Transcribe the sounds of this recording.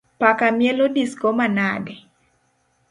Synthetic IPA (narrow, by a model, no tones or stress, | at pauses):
pakamjelodiskomanadɛ